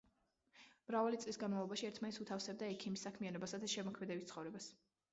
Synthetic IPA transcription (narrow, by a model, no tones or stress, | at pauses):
mɾavalit̪sʼlisɡanmavlˠɔbaʃiɛɾt̪ʰmanɛt̪sut̪ʰafsɛb̚d̪aɛkʰimisːakʰmianɔbasad̪ʰaʃɛmɔkʰmɛd̪ɛbit̪χɔvɾɛbas